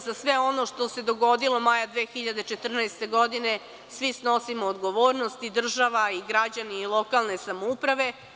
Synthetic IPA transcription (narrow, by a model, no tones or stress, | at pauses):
zasʋeo̞no̞ʂt̪o̞se̞d̪o̞ɡo̞d̪ilo̞majad̪ʋe̞ːxiʎad̪et͡ʃet̪r̩naest̪e̞ɡod̪ine̞ | sʋisno̞simoːd̪ɡo̞ʋoːɾnost̪id̪r̩ʒaʋaiɡɾad͡ʑaniːlˠo̞kalˠne̞samoupɾaʋe̞